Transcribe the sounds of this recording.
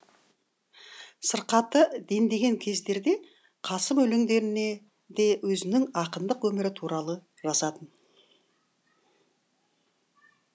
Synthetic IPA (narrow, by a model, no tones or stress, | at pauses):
səɾqɑt̪əd̪e̞nd̪e̞ɡʲe̞ŋkʲʰe̞zd̪e̞ɾd̪e̞ | qʰɑsəmɵlɪŋd̪e̞ɾɪne̞ | d̪e̞wɵzɪnɪŋɑqənd̪əqwɵmɪɾɪt̪ʰuɾɑlˠə | ʒɑsɑt̪ən